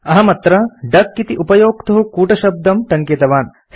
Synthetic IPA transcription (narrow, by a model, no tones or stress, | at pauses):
ɐɦɐmɐt̪ɾɐɖɐkːit̪iʔupɐjoːkt̪ɐɦukuːʈɐʃɐb̚d̪ɐmʈɐŋket̪ɐʋaːn